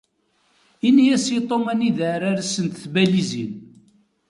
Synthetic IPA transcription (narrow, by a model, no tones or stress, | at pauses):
inijæsit̪ˤomæniðəɾaɾsːənt̪θbælizin